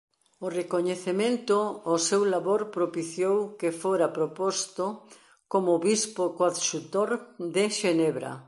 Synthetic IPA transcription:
orekoɲeθemẽnt̪oːsewlaβoɾpɾopiθjowkefoɾapɾopost̪o | komoβispokwaðʃut̪oɾd̪ɪʃeneβɾɐ̰

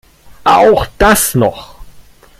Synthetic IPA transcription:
ʔa̰ʔaʊxd̥asnɔ̰χ

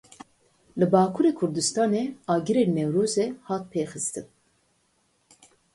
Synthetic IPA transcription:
lɨbɑːkʰuːɾeːkʰʊɾd̪ɨst̪ɑːneːɑːɡɨɾeːnnɛwɾoːzɛhɑːt̪̚pʰeːxɨst̪ɨn

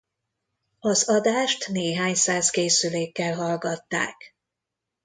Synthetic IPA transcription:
ɒzɒd̪aːʃt̪neːɦaːɲsaːskeːsyleːkːɛlɦɒlɡɒt̪ːa̰ːk

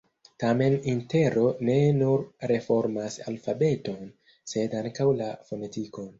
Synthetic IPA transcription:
tame̞ninte̞ɾo̞ne̞nuɾɾe̞fo̞ɾmasa̰lfabe̞to̞n | se̞daŋkawlafo̞ne̞tiko̞n

